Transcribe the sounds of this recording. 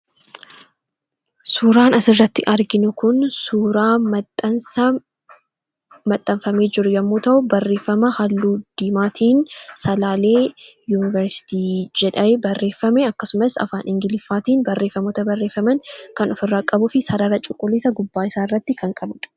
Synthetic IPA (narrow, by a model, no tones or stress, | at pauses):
suːɾaːnɐsɪrːɐt̪ːɪʔɐɾɡɪnʊkʊnsuːɾaːmɐt̪ːɐnsɐ | mɐt̪ʼːɐɱfɐmeːd͡ʒɪɾʊjɐmːoːt̪ɐʔʊbɐrːe̞ːfːɐmɐhɐlːuːd̪̥iːmaːt̪ʰiːnsɐlaːle̞ːjuːnɪvɛɾsɪ̥t̪iːd͡ʒɛᶑɐbɐrːe̞ːfːɐmɛɐkːɐsʊmɐsɐ̰faːnʔɪŋɡɪlɪfːaːt̪iːnbɐrːe̞ːfːɐmoːt̪ɐbɐrːeːfːɐmɐŋkɐnɔfɪrːaːkʼɐbʊfɪsɐɾɐɾɐt͡ʃʼʊkʼːʊlːisɐɡʊbːaːɪsaːɪrːɐt̪ːɪkɐŋkʼɐbʊᶑ